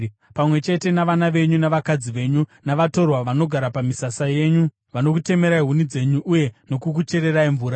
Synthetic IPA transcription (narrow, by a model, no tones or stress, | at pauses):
pamwe̞t͡ʃe̞te̞naʋanaʋe̞ɲunaʋakad͡ziʋe̞ɲunaʋato̞rwaʋano̞ɡʱaɾapamisasaje̞ɲu | ʋano̞kute̞me̞ɾaiɦunid͡ze̞ɲuʔːje̞no̞kukut͡ʃe̞ɾe̞raiɱvuːɾa